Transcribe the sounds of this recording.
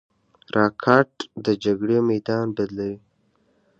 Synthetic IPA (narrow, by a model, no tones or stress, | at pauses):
ɾʔɑkʰɑʈd̪əd͡ʒaɡɽemajd̪ɑnbad̪lawi